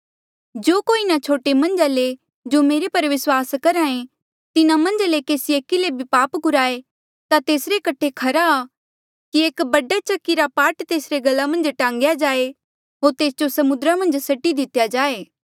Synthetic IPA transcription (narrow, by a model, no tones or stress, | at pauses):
d͡ʒoːkoːinat͡ʃʰoːʈemɐ̃nd͡ʒale | d͡ʒomeːɾepɐɾʋɪswaːskɐɾãːẽ | t̪ɪnãmɐ̃nd͡ʒalekeːsieːkːilebʱipaːpɡʊɾaːe | t̪at̪eːsɾekɐʈʰekʰɐɾaː | kieːkbɐɖat͡ʃɐkːiɾapaːʈt̪eːsɾeɡɐlːamɐ̃nd͡ʒʈãːŋ̆ɡjad͡ʒaːe | ɦoːɾt̪eːsd͡ʒosɐmʊd̪ɾamɐ̃nd͡ʒsɐʈːid̪ɪt̪jad͡ʒaːeː